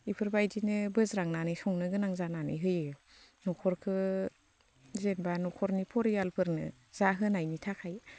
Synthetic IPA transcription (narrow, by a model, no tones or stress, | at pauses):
ipʰɯɾbajdinɯbɯzɾaŋnanɯjsɔŋnɯɡɯnaŋzananɯ̰jɦɯjɯ | nɔkʰɔɾkʰɯ | zenbanɔkʰɔɾnipʰɔɾijalpʰɯɾnɯ̰ | z̥aɦɯnajnitʰakʰaj